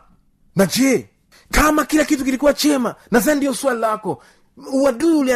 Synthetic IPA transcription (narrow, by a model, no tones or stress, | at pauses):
nad͡ʒɛ | kamakilakitukilikuwat͡ʃɛmanazandiɔswalilakɔ | uwaɗuulia